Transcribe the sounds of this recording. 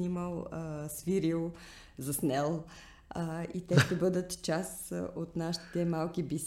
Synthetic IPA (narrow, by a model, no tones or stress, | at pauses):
niməlˠəsviɾilˠ | zɐsnɛlˠ | it̪ɛʃt̪ɛbɤd̪ət̪t͡ʃasot̪naʃi̥t̪ɛmalˠkibis